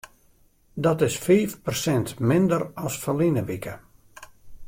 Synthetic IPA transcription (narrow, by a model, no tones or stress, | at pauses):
dɔtɪsfiːfpərsɛntmɪndərɔsfəlinəʋikə